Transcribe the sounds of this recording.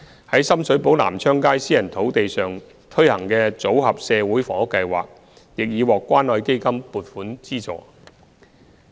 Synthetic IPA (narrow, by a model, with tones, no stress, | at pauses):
hɐ˨˥jsɐ˥msɵ˨˥ɥpo˨˥wla̰ː˨˩mt͡sʰœː˥ŋkaː˥jsiː˥jɐ˨˩nt̪ʰo˨˥wt̪e˨jsœː˨ŋ | t̪ʰɵ˥ɥhɐ˨˩ŋkɛː˧t͡so˨˥whɐ˨p̚sɛː˨˧wuː˨˥jfɔ̰ː˨˥kːɐ˧jwa̰ː˨k̚ | jɪ˨k̚jiː˨˧wɔː˨kʷːwaː˥nlɔː˨˧jke˥jkɐ˥mpuː˨t̚fuː˨˥nt͡siː˥t͡sɔ̰ː˨˩